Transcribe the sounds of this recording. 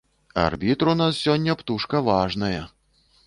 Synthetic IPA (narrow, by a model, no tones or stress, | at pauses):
ɐ̰rbʲit̪ɾunassʲɔnʲːɐpt̪uʂkɐvaʐnɐjɐ